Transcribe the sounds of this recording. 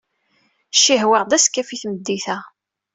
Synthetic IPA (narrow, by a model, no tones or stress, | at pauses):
ʃːiɦwəʁd̪æskːæfiθməd̪ːiθæ